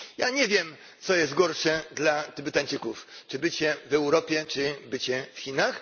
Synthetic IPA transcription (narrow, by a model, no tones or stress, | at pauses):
jaɲɛvʲjɛm | t̪sɔjɛst̪̚ɡɔɾʂɛd̪lat̪ɘbɘt̪aɲʲt͡ʂɘkuft͡ʂɘbɘt͡ɕɛvɛwɾɔpʲjɛt͡ʂɘbɘt͡ɕɛfxʲinax